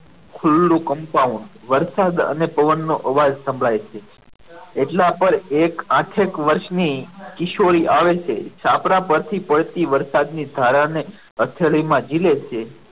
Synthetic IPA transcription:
kʰʊlːũkəmpaũɳɖ | ʋəɾsad̪ə̰nepəʋənːoʔəʋad͡ʒsə̃mbʱɭajt͡ʃʰe | eʈlapəɾekãʈʰekʋəɾʃnikɪʃoɾiʔaʋet͡ʃʰḛt͡ʃʰapɾapəɾt̪ʰipəɭt̪iʋəɾsad̪nid̪ʱaɾane | ət̪ʰeɭimãd͡ʒilet͡ʃʰe

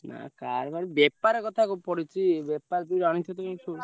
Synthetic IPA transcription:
na̰kaɾbaɾibɛpaɾekɔt̪ʰakupɔɽit͡ʃʰibepaɾt̪uiɾɔɽ̃it̪ʰɔt̪ɔket͡ʃʰo

